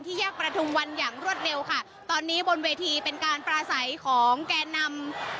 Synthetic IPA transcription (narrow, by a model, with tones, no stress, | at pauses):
nt̪ʰiː˥˩jaː˥˩k̚pɾa˧t̪ʰu˧mwa˧njaː˨˩ŋɾu˥˩ət̪̚ɾe˧wkʰa˥˩ | t̪ɔː˧nːiː˦˥bo˧nweː˧t̪ʰiː˧pe˧nkaː˧npɾaː˧sa˩˦jkʰɔː˩˦ŋkɛː˧nːa˧m